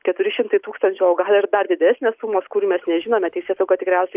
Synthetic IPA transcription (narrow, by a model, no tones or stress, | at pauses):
kʲɛt̪ʊɾʲɪʃʲɪmt̪ɐɪt̪uːkst̪ɐnʲt͡ʃʲɛoɡɐlʲˠɪrd̪ɐrd̪ʲɪd̪ʲæsʲnʲeːssuːmoːskuːɾʲimʲɛsnʲɛʒʲɪnoːmʲɛt̪ʲɛɪsʲeːsɐɡoːt̪ʲɪkɾʲɛʊsʲɛɪ